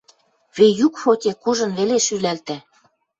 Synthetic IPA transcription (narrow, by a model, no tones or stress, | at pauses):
βejukfot̪ʲekuʒɤ̆nβeleʃylælt̪æ̆